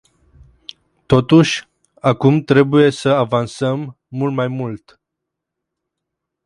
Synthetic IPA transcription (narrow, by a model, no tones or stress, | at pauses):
t̪o̞t̪uʃʲ | akumt̪ɾe̞buje̞səavansəmː | ult̪majmult̪